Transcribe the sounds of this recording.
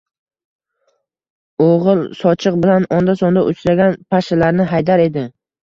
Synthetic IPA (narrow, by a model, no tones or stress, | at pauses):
oʁɨlsɒt͡ʃʰɨq̚bɪlanɒnd̪asɒnd̪aʔʊt͡ʃʰɾaɡʲanpʰaʃɪlaɾnɪɦajd̪aɾe̞d̪ɪ